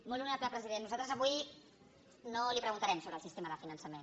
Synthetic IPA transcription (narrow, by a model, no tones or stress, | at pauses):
molunaplapɾəziðenːuzalˠt̪ɾəzəβuij | nolipɾəɣunt̪aɾɛmsoβɾəlˠsist̪eməðəfinənsəmen